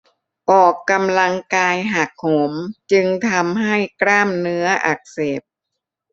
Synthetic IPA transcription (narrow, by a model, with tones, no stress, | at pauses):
pɔː˨˩kːa˧mla˧ŋkaː˧jɦa˨˩k̚ho˩˦mt͡ɕɯ˧ŋt̪ʰa˧mɦa˥˩jkɾaː˥˩mnɯ˦˥ɐʔa̰˨˩k̚seː˨˩p̚